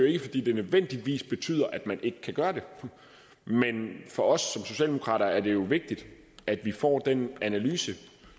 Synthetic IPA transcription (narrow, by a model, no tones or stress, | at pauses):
joe̝ɡ̥əfɒ̽d̥ḭːd̥e̝nøðˠʋen̰d̥iʋḭːsb̥e̝t͡sʰy̰ːð̰ˠɐʔæd̥mænʔe̝ɡ̥əkʰæɡ̥ɶːɐd̥e̝ | menfɒ̽ɒ̽sːɒ̽mso̝ɕɛ̰ːld̥emo̝kʰʁɑ̰ːɾɐæɐde̝jo̝ʋe̝ɡ̥̚d̥id̥ | æd̥ʋifɒ̰ːd̥enænælyːsə